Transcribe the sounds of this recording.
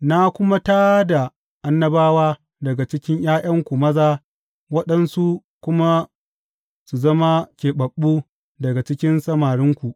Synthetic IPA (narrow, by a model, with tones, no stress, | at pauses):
na˦kʷʊ˦ma˦taː˦da˨ | ʔa˦nːɐ˦baː˦waː˦ | dɐ˨ɡa˨t͡ʃɪ˦kʲɪ˦ɲj̰aː˦jʔɐ˦ŋkʷu˨mɐ˦zaː˦ | wɐ˦ɗɐ˦nsu˦ | kʷʊ˦ma˦ | su˨zɐ˦ma˦kʲeː˨ɓɐ˨ɓːu˦ | dɐ˨ɡa˨t͡ʃɪ˦kʲɪ˦nsɐ˦maː˨ɽɪ˦ŋkʷu˨ʔ